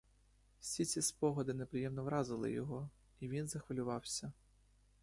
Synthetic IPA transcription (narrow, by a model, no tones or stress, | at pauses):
wsʲit͡sʲispɔɦɔd̪ɪnepɾɪjɛmnɔʋɾɑzɪlˠɪ̰jɔɦɔ | iʋʲinzɐxʋɐlʲʊʋɑwsʲɐ